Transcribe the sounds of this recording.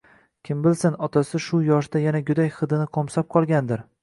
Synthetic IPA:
kʲʰɪmbɪlsɪnɒt̪ʰasɪʃʊjɒʃd̪ajanad͡ʒʊd̪ajχɨd̪ɪnɪqʰɒmsɒp̚qʰɒlˠɡʲand̪ɪɾ

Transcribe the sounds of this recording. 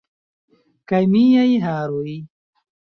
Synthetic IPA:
kajmijajɦaːɾuj

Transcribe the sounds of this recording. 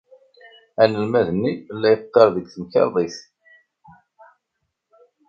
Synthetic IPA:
ænəlmæðənːilːæjt̪ːɑɾˤðəɡθəmçɑ̰ɾˤðˤiθ

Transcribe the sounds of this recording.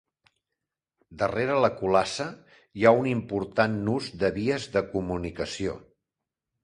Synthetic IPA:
d̪əreɾələkulasə | jaunimpuɾt̪anːuzd̪əβiəzðəkumunikəsio̰

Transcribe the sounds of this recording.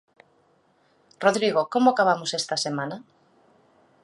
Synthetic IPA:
roðɾiɣ̞okomoakaβ̞amosest̪asemãna

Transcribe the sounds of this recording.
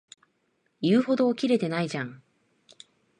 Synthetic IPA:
jɯːho̞d̪o̞ːkʲiɾe̞t̪e̞naid͡ʑãŋ

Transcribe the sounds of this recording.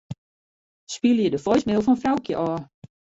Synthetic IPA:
spilˠəjədəfɔjsmɪlˠfɔnfrawkjəʔɔː

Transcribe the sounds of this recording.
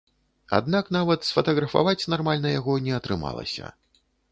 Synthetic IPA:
a̰d̪nakn̪avɐt̪sfɐt̪ɐɣɾɐfa̰vat͡sʲnarmalʲnɐjaɣɔnʲɛɐt̪ɾɨma̰lˠɐ̰sʲɐ̰

